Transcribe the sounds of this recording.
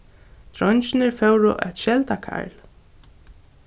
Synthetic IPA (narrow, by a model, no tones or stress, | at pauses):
t̪ʰɾɔɲt͡ʃɪnɪɹfɛwɹʊ̰ʔɛ̰t̪ʃɛlt̪akʰa̰ɹl